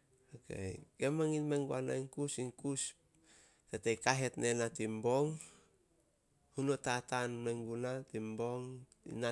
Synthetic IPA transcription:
okḛjɡemaŋinmeŋɡuana̰iŋkusiŋkus | tetejkaɦe̞tnenatimboŋ | hunotatanmeŋɡunatimbo̞ŋ | ḭna

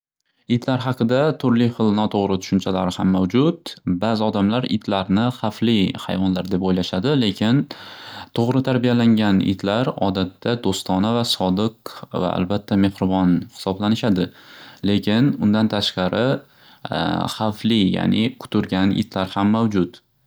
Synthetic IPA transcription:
ɪt̪laɾɦɑqɨd̪at̪ʰʊɾlɪχɨlˠnɒt̪ʰoʁɾɪt̪ʰʊ̥ʃʊnt͡ʃʰalaɾɪhamːawd͡ʒʊt̪̚bazɪɒd̪amlaɾɪ̰t̪laɾnɪχaflɪha̰jvɒnlaɾd̪e̞pojlaʃad̪ɪle̞kʲʰɪnt̪ʰoʁɾɪt̪ʰaɾbijalaŋɡʲanɪ̰t̪laɾɒ̰d̪at̪ʰːad̪ost̪ɒnavasɒd̪ɨqva̰ʔa̰lbat̪ʰːame̞hɾɪbɒnhɪ̥sɒblanɪʃad̪ɪle̞kʲɪnʊnd̪ant̪ʰaʃqɑɾɪ | χaflɪja̰nɪ̰kʰʊ̥t̪ʰʊɾɡʲanɪ̰d̪̥laɾhamːawd͡ʒʊt̪

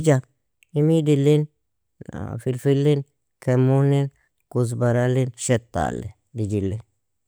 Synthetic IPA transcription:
d͡ʒa | ɪmid̪ɪlːin | fɪlfɪlːɪn | kʰɛmːunːɛn | kʊs̬bɐɾalːɪnʃɛt̪ːa̰ːlːɛ̰ | d̪ɪd͡ʒɪlːɛ

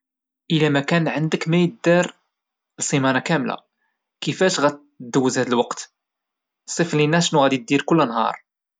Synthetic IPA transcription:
ʔəlæmækænʕənd̪əkmæjəd̪ɑɾ | lsˤimænakæmla̰ | kəfæʃɣæt̪ | d̪ːəwːəzhæd̪əlwɑqt̪ | sˤiflinːæʃnuɣæd̪id̪iɾkʊlːnɦɑ̰ɾˤ

